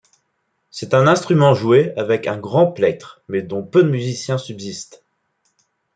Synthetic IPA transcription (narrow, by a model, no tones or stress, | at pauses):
sɛt̪ɛ̃nɛ̃st̪χymɑ̃ʒueavɛkɛ̃ɡʁɑ̃plɛt̪χmɛd̪ɔ̃pød̪əmyzisjɛ̃sybzist̪